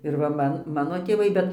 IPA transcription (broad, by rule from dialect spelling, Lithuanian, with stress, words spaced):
ɪr ˈʋɐ ˈmɐn ˈmɑːnoː tʲeːˈʋɐɪ ˈbʲɛt